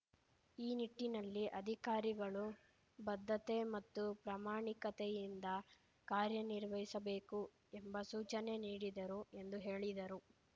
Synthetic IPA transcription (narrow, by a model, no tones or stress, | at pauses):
iːniʈːinɐlːiʔɐd̪ʱikaːɾiɡɐɭu | bɐd̪ʱːɐt̪e̞mɐt̪ːupɾaːmaːɳikɐt̪ejind̪ɐ | kaːɾjɐniɾʋɐɦjisɐbe̞ːku | embɐsuːt͡ʃɐne̞niːɽid̪ɐɾue̞nd̪uɦe̞ːɭid̪ɐɾu